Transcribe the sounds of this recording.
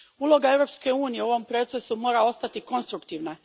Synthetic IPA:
ulˠo̞ɡaeʋɾo̞pske̞uːnijeuoʋo̞mpɾo̞t̪se̞sumo̞ːɾao̞st̪at̪iko̞nst̪ɾukt̪iːʋna

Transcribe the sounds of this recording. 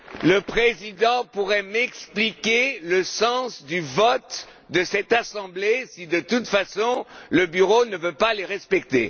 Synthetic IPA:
ləpχezid̪ɑ̃puʁɛmɛksplikʲeləsɑ̃sd̪yvɔt̪ | d̪əsɛt̪asɑ̃blesid̪ət̪ut̪fasɔ̃ləbyʁonəvøpaleʁɛspɛk̚t̪ḛ

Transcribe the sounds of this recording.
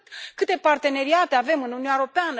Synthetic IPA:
kɨt̪e̞part̪e̞ne̞ɾiat̪e̞ave̞mɨnununaeɾo̞peanə

